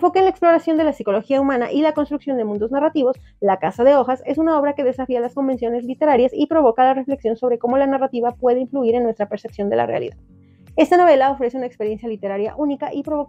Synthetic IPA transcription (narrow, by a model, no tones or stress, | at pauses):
fo̞keːnlaeksplo̞ɾasjo̞nd̪e̞lasiko̞lo̞xiaumãna̰ʔilako̞nst̪ɾuksjo̞nd̪e̞mũnd̪o̞znarat̪iβo̞s | lakasaðe̞o̞xase̞sunao̞βɾake̞ðe̞safialasko̞mbe̞nsjo̞ne̞zlit̪e̞ɾaɾjasipɾo̞βo̞kalare̞fle̞ksjo̞nso̞β̞ɾe̞ko̞mo̞lanarat̪iβapwe̞ðeiɱfluiɾenːwe̞st̪ɾape̞ɾse̞psjo̞nd̪ela̰rḛa̰lḭða̰ð | e̞st̪ano̞βe̞lao̞fɾese̞unaekspe̞ɾje̞nsjalit̪e̞ɾaɾja̰ʔunikaʔipɾo̞βok